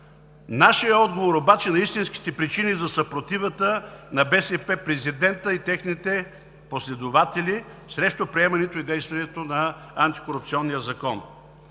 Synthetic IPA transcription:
naʃijəɔd̪ɡovoɾobat͡ʃɛnɐist̪inski̥t̪ɛpɾit͡ʃinizɐsɐpɾot̪ivət̪ənɐbɛsɛpɛpɾɛzid̪ɛnt̪əit̪ɛxnit̪ɛ | poslɛd̪ovat̪ɛlʲi | sɾɛʃt̪opɾiɛmɐnɛt̪oid̪ɛjst̪vɐnɛt̪onɐant̪i̥koɾupt̪siɔnːijəzɐkɔn

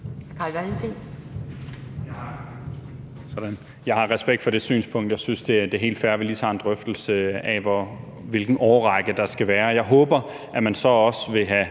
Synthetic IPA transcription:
hæɐkʰɑ̈lʋæɐent͡sʰeŋ̰ | jɑ | sɒ̽d̥æn | jɑ̈ɪhɑ̈ʁɛsb̥eɡ̥d̥fɒ̽ɾe̝sy̰ːnspʰɔ̽ŋ̰d̥jɑ̈ɪsynsd̥e̝d̥eɦe̝̰ːld̥fæɐʋiliːt͡sʰɑ̰̈ːe̝nd̥ʁœfd̥l̩səɛʋɒ | ʋe̝lɡ̥n̩ʔɒːʁɑɡ̥əd̥ɑ̈sɡ̥æʋæːɐjɑ̈ɪɦɔ̽ːb̥ɐ | ʔæmænsɒ̽ɒ̽sʋe̝ɦæ

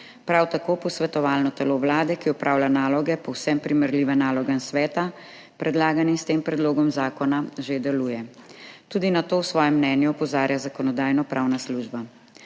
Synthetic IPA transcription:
pɾawt̪akoːpɔsʋɛt̪ɔʋaːlnɔt̪ɛloʋlaːd̪ɛkiɔpɾʔaːwlʲjanaːlɔɡɛpɔwsɛmpɾimɛɾliʋɛnaːlɔɡansʋɛːt̪a | pɾɛd̪laːɡanist̪eːmpɾɛd̪loːɡɔmzaːkɔnaʒed̪ɛluːjɛt̪uːd̪inat̪oːwsʋɔːjɛmːnɛːnjupɔzaːɾjazakɔnɔd̪aːjnɔpɾʔaːwnasluːʒba

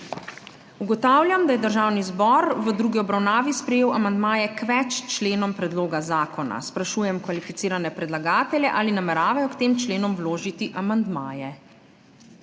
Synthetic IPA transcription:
uɡɔt̪aːwlʲjamd̪ajɛd̪əɾʒaːwnizbɔɾʋəd̪ɾuːɡiɔbɾawnaːʋispɾɛjeːwamand̪maːjɛkʋɛt͡ʃt͡ʃleːnɔmpɾɛd̪loːɡazaːkɔna̰spɾaʃuːjɛmkʋalifit̪siːɾanɛpɾɛd̪laɡaːt̪ɛlʲjɛʔaːlinamɛɾaːʋajɔkt̪eːmt͡ʃleːnɔmwloːʒit̪iʔamand̪maːjɛ

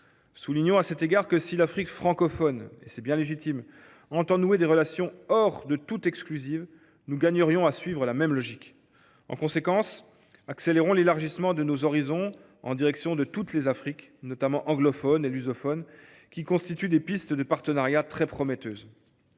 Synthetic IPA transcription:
suliɲɔ̃asɛt̪eɡaʁkəsilafχikfχɑ̃kɔfɔnḛsɛbjɛ̃leʒit̪im | ɑ̃t̪ɑ̃nued̪eʁəlasjɔ̃ɔʁd̪ət̪ut̪ɛksklyziv | nuɡaɲəʁjɔ̃asɥivʁəlamɛmlɔʒik | ɑ̰̃kɔ̃sekɑ̃s | akseleʁɔ̃lelaʁʒismɑ̃d̪ənozɔʁizɔ̃ | ɑ̰̃d̪iʁɛksjɔ̃d̪ət̪ut̪lezafχiknɔt̪amɑ̃ʔɑ̃ɡlɔfɔnelyzɔfɔn | kʲikɔ̃st̪it̪yd̪epist̪d̪əpaʁt̪ənaʁjat̪χɛpχɔmɛt̪øːz

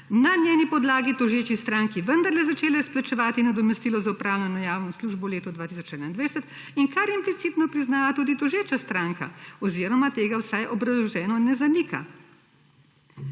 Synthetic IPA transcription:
nanʲjɛːnipɔd̪laːɡid̪ɔʒeːt͡ʃist̪ɾaːŋkiʋənd̪aɾlɛzat͡ʃeːlɛsplat͡ʃɛʋaːt̪inad̪ɔmɛst̪ilɔzaupɾaːwlʲanɔjaːwnɔsluʒbɔleːt̪ɔd̪ʋaːt̪isɔt͡ʃɛdnaind̪ʋajsɛt̪ | iŋkaɾimplit̪siːt̪nɔpɾiznaːʋat̪uːd̪id̪ɔʒeːt͡ʃast̪ɾaːŋka̰ɔziːɾɔmat̪eːɡawsajʔɔbɾɐzlɔʒɛːnɔnɛzanika̰

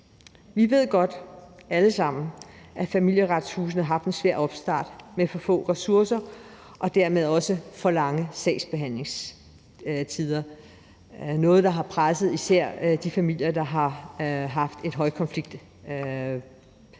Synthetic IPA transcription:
ʋiʋe̝ð̞̰ˠɡ̥ɒ̽d̥æləsɑ̈m̰n̩ʔæfæmil̰jəʁad̥shuːs̬n̩ɑ̈ɦɑ̈fd̥ensʋæɐ̰ɒ̽b̥sd̥ɑ̰̈ːd̥mefɒ̽fɔ̰̽ːʁɛsuɐsɐ | ʔɒ̽d̥æɐmeð̞ˠɒ̽səfɒ̽lɑ̈ŋəsɛɪsb̥e̝ɦæn̰le̝ŋs | t͡sʰið̞ˠɐ | nɔ̽ːð̩ˠd̥ɑ̈ɦɑ̈pʰʁasəð̩ˠisæɐ̰d̥ifæmil̰jɐd̥ɑ̈ɦɑ̈ɦɑ̈fd̥e̝d̥ɦɒ̽ɪkʰɒ̽nfliɡ̥̚d̥

